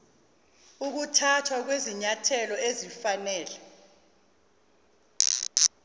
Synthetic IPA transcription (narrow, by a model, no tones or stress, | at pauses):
uk̬utʰatʰwak̬weziɲatʰɛlɔezifanɛːlɛ